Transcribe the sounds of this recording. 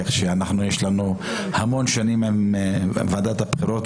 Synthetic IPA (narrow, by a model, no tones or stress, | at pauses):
eχʃeanaχnujeʃlanu | hamo̞nʃanimimvad̪at̪apχiɾot̪